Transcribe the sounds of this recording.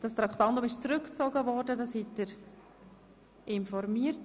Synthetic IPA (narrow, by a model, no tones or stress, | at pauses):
d̥ɑst̪ɾɑkʰtɑndʊmɪʃt͡sɾɵkt͡sɔɡəvɔɾdədɑshitːəɾ | ʔɪnfɔɾmiəɾt